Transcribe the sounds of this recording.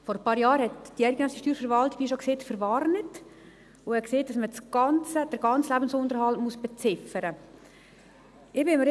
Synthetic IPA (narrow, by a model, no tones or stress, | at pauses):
fɔɾəpɑːɾjɑːɾhɛtd̥iæɪdɡənœːsiʃtyːɾfəɾvɑltik̚b̥iʃɔkseːtfəɾvɑrnət | ʊhɛkseːt̚d̥ɑsməsɡ̥ɑnt͡səd̥əɾɡ̥ɑnt͡slæbən̩sʊndəɾhɑltmusb̥ɛt͡sɪfəɾə | ɪbɪməɾ